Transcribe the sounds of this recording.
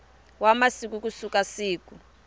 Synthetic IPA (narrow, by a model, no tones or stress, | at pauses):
wamasik̬uk̬usukasiːk̬u